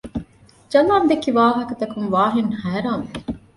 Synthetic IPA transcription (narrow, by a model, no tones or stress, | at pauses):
d͡ʒɐlaːnd̪ekiʋaːɦɐkɐt̪ɐkunʋaːɦinhæːɾaːme